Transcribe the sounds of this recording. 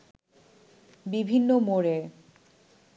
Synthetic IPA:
bibʱinːomoɾe

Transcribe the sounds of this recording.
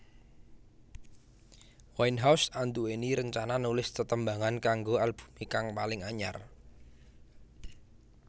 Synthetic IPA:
wajnɦawsant̪ueniɾəɲt͡ʃananulɪst̪ət̪əmbaŋankaŋɡoalb̥u̥̤mikaŋpalɪŋaɲa̰r

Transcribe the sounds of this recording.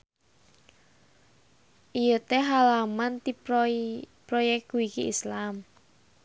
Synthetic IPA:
ʔijət̪eɦalamant̪i | pɾɔjɛk̚uwikiislam

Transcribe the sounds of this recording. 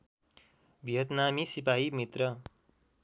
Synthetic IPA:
bʱijʌt̪namisipaɦimit̪rʌ

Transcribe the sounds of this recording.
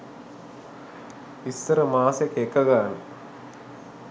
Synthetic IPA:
ist̪ɐɾɐmaːsɐkeːkːɐɣaːn

